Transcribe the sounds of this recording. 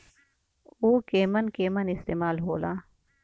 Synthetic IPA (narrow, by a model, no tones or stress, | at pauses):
uːkeːmənkeːmənɪst̪eːmaːlɦoːlaː